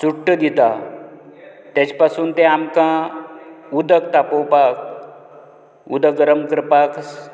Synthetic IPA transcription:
suʈːəd̪it̪a | t̪jat͡ɕpasuːnt̪ẽamkã | ud̪əkt̪apowpak̚ | ṵd̪əɡəɾəmkɾəpaks

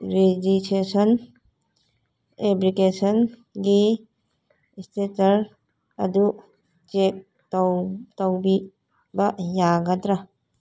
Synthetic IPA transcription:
ɾid͡ʒitesɔn | eblikesɔnɡi | stetaɾ | adu | t͡ʃek̚ | tɔwbi | bajaɡatɾa

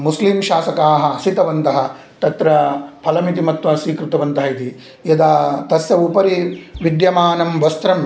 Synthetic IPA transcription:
musliːmʃaːsɐkaːɦɐsit̪ɐʋɐnt̪ɐɦɐ | t̪ɐt̪ɾɐpʰɐlɐmit̪̬imɐt̪ʋɐsʋiːkɾut̪ɐʋɐnt̪ɐɦɐit̪i | jɐd̪aːt̪ɐsjɐupɐɾiʋid̪jɐmaːnɐmʋɐst̪ɾɐm

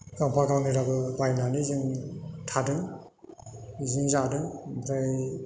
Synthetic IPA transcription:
ɡaŋpʰaɡawnɯɾabɯbajnanizɯŋtʰadɯŋ | ziŋzadɯŋbʰɾaj

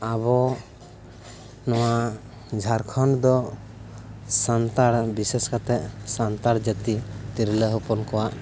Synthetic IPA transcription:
abɔ | nɔwa | d͡ʒʱaɾkʰɔɳd̪ɔ | sant̪aɾbisɛskat̪ɛʔsant̪aɾd͡ʒət̪it̪iɾləɦɔpɔnkɔwaʔ

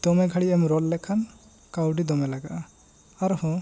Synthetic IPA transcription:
d̪ɔmɛɡʱaɽiɛmɾɔlːɛkʰan | kawɖid̪ɔmɛlaɡa̰ʔa | aɾhɔ̃

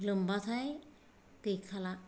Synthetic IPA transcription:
lɯmbat̪ʰaj | t̪ejkʰːala

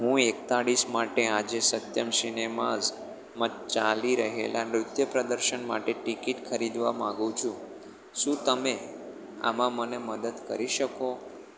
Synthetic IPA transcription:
ɦũekt̪aɽismaʈead͡ʒesət̪jəmsinemaz | mət͡ʃaliɾəɦḛlʔanɾʊd̪ʱjəpɾəd̪əɾʃənma̰ʈeʈikiʈkʰəɾid̪ʋa̰mãɡũt͡ʃʰũ | ʃũt̪əme | a̰mãməneməd̪əd̪kə̰ɾiʃəko

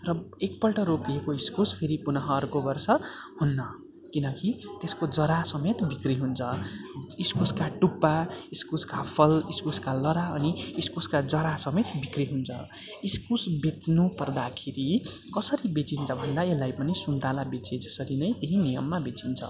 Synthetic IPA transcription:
rʌek̚pʌlʈʌɾopiekoiskuspʰeɾipunʌɦʌːrkobʌrsʌhunːʌ | kinʌkit̪eskod͡zʌɾasʌmet̪bʱikriɦunt͡sʰʌiskuskaʈupːaiskuskapʰʌliskuskalʌɾaʌniːskuskad͡zʌɾasʌmet̪bʱikriɦunt͡sʰʌ̰ | iskusbet͡snupʌrd̪akʰeɾi | kʌsʌɾibet͡sint͡sʰʌbʱʌnd̪aelːajpʌnisund̪ʱalabet͡sed͡zʌsʌɾinʌjt̪eɦĩnijʌmːabet͡sint͡sʰʌ̰

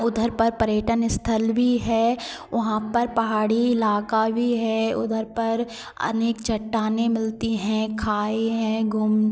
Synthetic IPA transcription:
ʊd̪ʱəɾpɐɾpəɾjəʈənɪst̪ʰəlbʱiɦɛː | ʋɐɦãpɐɾpɐɦaːɽiɪlaːkabʱiɦɛːʊ̰d̪ʱəɾpɐɾ | ɐ̰neːkt͡ʃʰɐʈːaːnẽmɪlt̪iɦɛ̃kʰaːeɦɛ̃ɡʱʊm

